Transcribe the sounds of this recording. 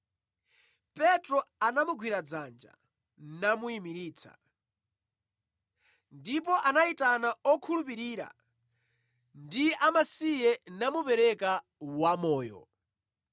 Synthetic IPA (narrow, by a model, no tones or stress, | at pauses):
pɛtɾɔanamuɡʱwiɾad͡zand͡ʒa̰ | namuimiɾiːt͡sʰa̰ | ndip̬ɔʔanaitanaɔkʰulupiɾiːɾa̰ | ndiʔamasijɛnamupɛɾɛka | wamɔːjɔ̰